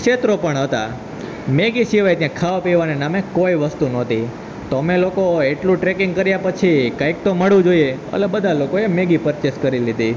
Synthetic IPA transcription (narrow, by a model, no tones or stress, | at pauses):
kʃet̪ɾopəɳɦət̪a | meɡiʃiʋajt̪jãkʰaʋapiʋanenamekoiʋəst̪unot̪i | t̪əmelokoeʈlũʈɾekɪŋɡ̚kəɾjapət͡ʃʰikəik̚t̪oməɭũd͡ʒoieə̰lebəd̪ʱalokoemeɡipəɾt͡ʃeskəɾilid̪i